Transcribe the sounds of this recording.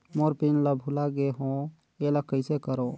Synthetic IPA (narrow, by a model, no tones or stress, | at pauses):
moɾpinləbʱulaɡeɦõ | eləkəɪsekəɾo